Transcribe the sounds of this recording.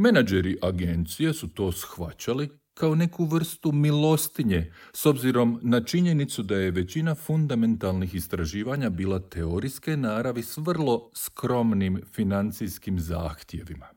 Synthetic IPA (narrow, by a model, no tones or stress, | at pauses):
menad͡ʒeɾiʔaɡe̞nt̪sijesut̪o̞ːsxʋat͡ɕali | kao̞ne̞kuʋr̩st̪umilo̞st̪iɲe̞so̞bziɾo̞mnat͡ʃiɲe̞nit̪sud̪aje̞ʋe̞t͡ɕinafund̪ame̞nt̪alˠnixist̪ɾaʒiːʋaɲabiːlˠat̪eo̞ɾiske̞naːɾaʋisʋr̩lˠo̞skɾo̞mnimfinant̪sijskimza̰ːxt̪je̞ʋima